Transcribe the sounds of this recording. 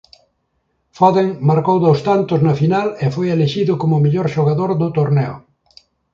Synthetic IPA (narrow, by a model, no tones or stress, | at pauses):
fɔðeŋmaɾkowðowst̪ant̪ʊznɐfinalefojeleʃiðʊkomʊmiʎoɾʃoɣaðoɾðʊt̪oɾnɛo̰